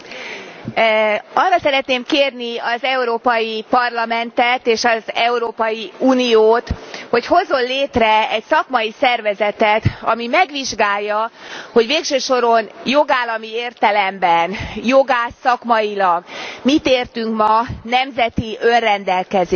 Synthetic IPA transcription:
ɒrːɒsɛɾɛt̪neːmkeːrniɒzɛuɾoːpɒjipɒrlɒmɛnt̪ɛt̪eːʃɒzɛuɾoːpɒjiuːnijoːt̪ho̞cho̞zo̞nleːt̪rɛɛcsɒkmɒjisɛrvɛzɛt̪ɛt̪ɒ̰mimɛɡʋiʒɡaːjːɒho̞ɟʋeːkʃøːʃo̞ɾo̞njoɡaːlːɒmieːrt̪ɛlɛmbɛnjo̞ɡaːsɒkmɒjilɒɡmit̪eːrt̪yŋkmɒnɛmzɛt̪iønrɛnd̪ɛlkɛz

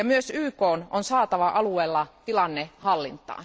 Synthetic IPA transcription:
jɑmyøsyːkoːnonsɑːt̪ɑʋɑʔɑlueːlːɑt̪ilɑnːehɑlːint̪ˑɑ̰ː

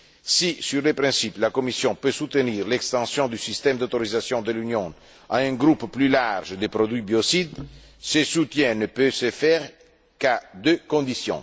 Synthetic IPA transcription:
sisyʁlepɾɛ̃siplakomisjɔ̃pøsut̪əniʁlɛkst̪ɑ̃sjɔ̃d̪ysist̪ɛmd̪ot̪oɾizasjɔ̃d̪əlynjɔ̃ | aɛ̃ɡɾupːlylaʁʒd̪epɾod̪ɥibjosid̪ | səsut̪jɛ̃nəpøsəfɛʁ | kad̪økɔ̃nd̪isjɔ̰̃

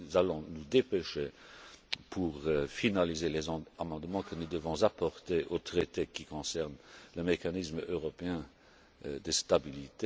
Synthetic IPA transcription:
zalɔ̃nud̪epeʃe | pʰuʁøfinalizelɛzamɑ̃d̪mɑ̃kənud̪əvɔ̃zapɔʁt̪eʔot̪χet̪ekʲikɔ̃sɛʁnləmekanismøʁɔpeɛ̃ | d̪əst̪abilit̪e

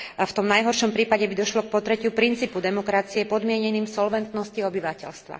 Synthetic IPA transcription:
ft̪ɔmnajɦɔɾʃɔmpɾiːpaɟɛbid̪ɔʃlɔk̚pɔt̪ɾɛcɪupɾint͡siːpud̪ɛmɔkɾat͡siɛpɔd̪mɪɛɲɛniːmsɔlʋɛnt̪nɔsciɔbiʋacɛ̰ʎst̪ʋa̰

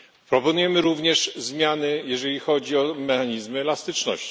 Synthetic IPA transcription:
pɾɔpɔnujɛmɘɾuvɲɛʂzmʲjanɘjɛʐɛlʲixɔd͡ʑiɔmɛxaɲizmɘɛlast̪ɘt͡ʂnɔ̰ɕt͡ɕi̥

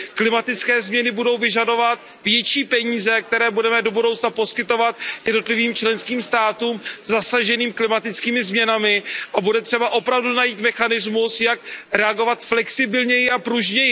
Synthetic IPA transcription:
klɪmat̪ɪt͡skɛːzmɲɛnɪbudo̞wvɪʒado̞vat̪ | vjɛt͡ʃiːpɛɲiːzɛk̚t̪ɛɾɛːbudɛmɛdo̞budowt͡snapo̞skɪt̪o̞vat̪jɛdno̞t̪lɪviːmt͡ʃlɛnskiːmst̪aːt̪uːmzasaʒɛniːmklɪmat̪ɪt͡skiːmɪzmɲɛnamɪʔabudɛt̪r̥ɛbaʔo̞pɾavdunajiːt̪mɛxanɪzmusjakɾɛaɡo̞vat̪flɛksɪbɪlɲɛjɪʔapɾuʒɲɛjɪ

